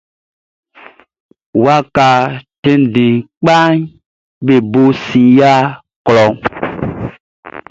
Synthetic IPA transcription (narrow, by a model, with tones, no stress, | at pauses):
wa˦ka˨tẽ˦ndĩ˨ŋk͡pa˦ɲ | be˨bo˦sĩ˨ja˦ | klɔ˨ŋ